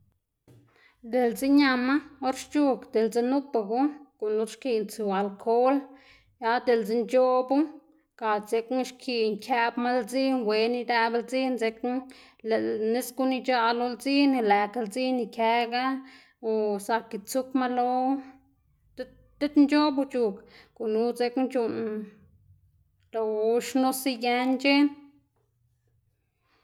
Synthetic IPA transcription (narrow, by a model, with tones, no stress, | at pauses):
d̪e˨lt͡si˦ɲa˧ma˦o˦ɾʃt͡ʃu˦kd̪e˨ld͡ze˧nu˦pa˧ɡu˦ko˨nu˧˦ɾʃki˧nt͡su˨a˨lkʰo˦l | ja˧˦d̪e˨ld͡ze˧nt͡ʃo˦bu˦ | ka˨ze˧kʃkʰi˧ŋkʰʲa˧bma˦ld͡zi˦nwe˧ni˧d̪a˧bld͡zi˦nze˧k | le˨ne˦sku˧ni˧t͡ʃa˧lo˧lt͡si˦n˧la˨ka˧ld͡zi˦ni˧kʲe˧ɡa˦ | o˧sa˧ki˧t͡su˦kma˧lo˧ | t̪e˦t̪nd͡ʒo˦bu˧t͡ʃu˧kku˨nu˧˦t͡se˧knt͡ʃu˧n | lo˧ʃno˦si˧je˧nt͡ʃe˦n